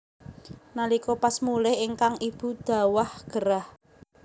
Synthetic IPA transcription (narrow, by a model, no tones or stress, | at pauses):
nalikopasmulɪhiŋkaŋib̥ṳd̪̥a̤wahɡ̥əɾah